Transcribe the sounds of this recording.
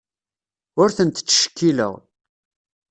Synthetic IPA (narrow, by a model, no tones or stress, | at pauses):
ʊɾθənt̪t͡sːʃə̥kːilə̰ʁ